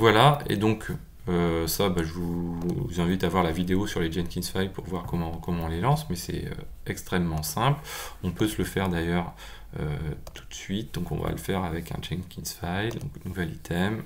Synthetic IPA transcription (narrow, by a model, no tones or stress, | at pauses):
vwalaḛd̪ɔ̃k | øsabaʒəvuzɛ̃vit̪avwaʁlavid̪eosyʁled͡ʒɛnkʲinsfajlpuʁvwaʁkɔmɑ̃kɔmɑ̃ɔ̃lelɑ̃smɛsɛ̰ø̰ | ɛkst̪χɛmːɑ̃sɛ̃plɔ̃pøsləfɛʁd̪ajœʁ | ø̰t̪ʰu̥t̪sɥit̪̚d̪ɔ̃kɔ̰̃va̰ləfɛʁavɛkʰɛ̰̃d͡ʒɛnkʲinsfajld̪ɔ̰̃knuvɛlit̪ʰɛm